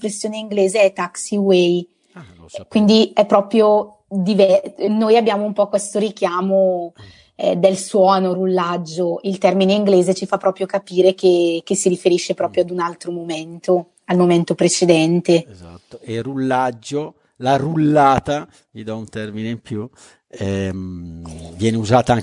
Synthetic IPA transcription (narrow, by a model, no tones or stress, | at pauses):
pɾesːjoːneiŋɡleːzeɛt̪ːaksiwej | kwind̪iɛpːɾɔpɾjo | d̪ivɛnojabːjaːmoumpɔkːwest̪oɾik̟jaːmo | ɛd̪elswɔːnoɾulːad͡ʒːoilt̪ɛrmineiŋɡleːzet͡ʃifapːɾɔːpɾjokapiːɾekek̟esːiɾifeɾiʃːepɾɔːpɾjoad̪unalt̪ɾomoment̪o | almoment̪opɾet͡ʃed̪ɛnt̪ezat̪ːoerulːad͡ʒːo | larulːaːt̪a | vid̪ɔunt̪ɛrmineimpju | ɛm | vjɛːneuzaːt̪aŋ